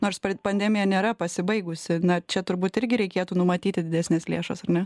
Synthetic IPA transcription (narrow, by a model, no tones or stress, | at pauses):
noːrspɐpɐnʲd̪ʲɛmʲɪjɛnʲeːɾɐpɐsʲɪbɐɪɡʊsʲɪnɐt͡ʃʲɛt̪ʊɾbuːt̪ɪɾʲɡʲɪɾʲɛɪkʲeːt̪uːnʊmɐt̪ʲiːt̪ʲɪd̪ʲɪd̪ʲæsʲnʲeːslʲeːʃosɐrnʲɛ